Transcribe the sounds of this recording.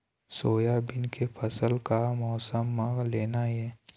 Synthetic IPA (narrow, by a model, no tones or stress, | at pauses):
soːjabɪnkepʰəsəlkamɔːsəmːə̃ɡleːnaɦɛː